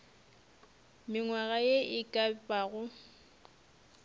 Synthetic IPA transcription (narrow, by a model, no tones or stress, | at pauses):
mɪŋwaɣajeʔɪkʼapʼaɣʊ